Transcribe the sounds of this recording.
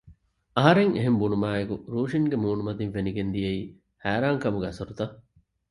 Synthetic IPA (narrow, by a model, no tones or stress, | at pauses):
ɐɦɐɾeŋḛɦembunumaːekuɾuːʃiŋɡemuːnumɐd̪inʋeniɡend̪ijɐiː | hæːɾaːŋkɐmuɡeɐsɐɾut̪ɐ